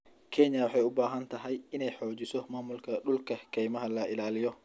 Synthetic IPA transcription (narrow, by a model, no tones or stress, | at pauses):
kʰɛnjɐwɑħɑjʊbaːɦɐnt̪ʰɐɦɛjɪnɛjħɔːt͡ʃɪsɔmaːmʊlkʰɐɗʊlkʰɐkʰɛjmɐɦɐlɐʔɪlaːlɪjɔ